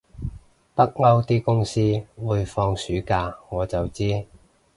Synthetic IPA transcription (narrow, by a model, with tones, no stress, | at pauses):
pɐ˥k̚ŋɐ˥wt̪iː˥kʊ˥ŋsiː˥wuː˨˧jfɔː˧ŋsyː˨˥kaː˧ŋɔː˨˧t͡sɐ˨wt͡siː˥